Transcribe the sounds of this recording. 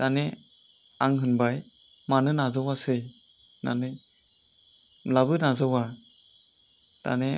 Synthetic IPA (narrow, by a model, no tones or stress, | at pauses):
tane | aŋɦɯnbaj | manɯnazawasɯj | na̰nɯj | labɯnazawa | ta̰ne